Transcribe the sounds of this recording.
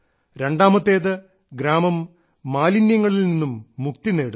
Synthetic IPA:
ɾe̞ɳɖaːmɐt̪ːe̞ːðɨ | ɡɾaːmɐmː | aːlinjɐŋːɐɭilninːumːukt̪ine̞ːɽu

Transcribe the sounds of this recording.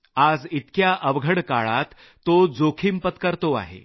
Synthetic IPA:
ad͡zit̪kjaʔəʋɡʱəɽkaɭat̪ː | od͡zokʰimpət̪kəɾt̪oa̰ɦḛ

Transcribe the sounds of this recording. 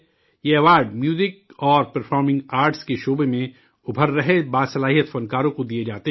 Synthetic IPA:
jeɛʋaːɾɖmjuːzɪk̚ɔːɾpɐɾfʰɔːɾmɪ̃ŋɡaːɾʈskeʃoːbemẽ | ʊbʱəɾːɐɦebaːd̪sɐlaːɦijət̪fɐ̃nkaːɾõkod̪ied͡ʒaːt̪e

